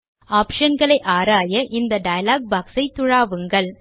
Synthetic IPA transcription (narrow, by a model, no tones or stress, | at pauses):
aːpʂɐnɡɐɭɐɪʔaːɾaːjɐʔɪnd̪ɐɖɐjɐlaːɡ̚baːksɐɪt̪ːʊɻaːʋɯŋɡɐɭ